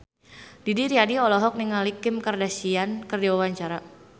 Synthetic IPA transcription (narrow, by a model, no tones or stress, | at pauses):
didiɾiadiɔlɔɦɔk̚niŋalikɪmkardasiankərdiwawaɲt͡ʃaɾa